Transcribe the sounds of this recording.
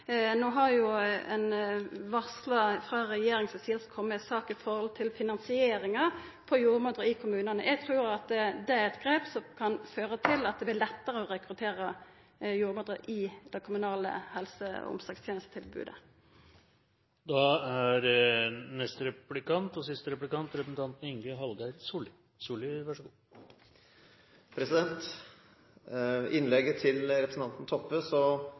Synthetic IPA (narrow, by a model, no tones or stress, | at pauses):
noːɦɑɾjʊɛnʋɑʁslɑfʁɑʁɛjeːɾɪŋsɛsiːəlskʰɔmːəsɑːkɪfɔɾhɔlt̪ʰɪlfɪnɑnsɪeːɾɪŋɑ | pʰɔjuːʁmod̪ʁəɪkʰʊmʉːnɑnə̰ʔɛɡ̚t̪ʰɾuːɾɑt̪ɛd̪ɛæɾɛt̪ɡɾeːpsɔmkʰɑnføːʁət̪ʰɪlɑt̪̚d̪ɛblɪlɛt̪ːəʁəɔʁɛkɾʉt̪ʰeːʁə | juːɾmoːd̪ʁəʔɪd̪̥ɛkʰʊmʉnɑːlə̰hɛlsə̰ɔ̰msɑːɡst̪ʰjeːnəst̪ət̪ʰɪlbʉ̰ːd̪ə̰ | d̪ɑæɾnɛst̪əɾɛplɪkɑnt̪ɔsɪst̪əɾɛplɪkɑnt̪ɾɛpɾəsn̩t̪ʰɑnt̪nɪŋɡəɦɑld̪æɾsuːlɪ | suːlɪʋæʂəɡuː | pʰɾɛsɪd̪ɛnt̪ | ɪnlɛɡət̪ʰɪlɾɛpɾəsn̩t̪ɑnt̪nt̪ʰɔpːəsɔ